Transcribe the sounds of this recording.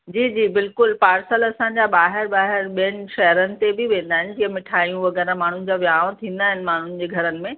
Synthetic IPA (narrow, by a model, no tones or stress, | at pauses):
d͡ʑiːd͡ʑiːbɪlkʊlpaːɾsəlɐsãɲd͡ʑaɓaːɦɪɾbaːɦɪɾɓiənɪ̆ʃɐɦəɾənɪ̆t̪ebʱɪʋẽːnd̪aːɦɪnɪ̆d͡ʑiːɦə̃mɪʈʰaːijũʋɐɣɛːɾãmaːɳ̤ʊnɪ̆d͡ʑaʋjaːʋ̃t̪ʰĩːnd̪aːɦɪnɪ̆maːɳ̤ʊnɪ̆d͡ʑeːɡʱɐɾənɪ̆mẽ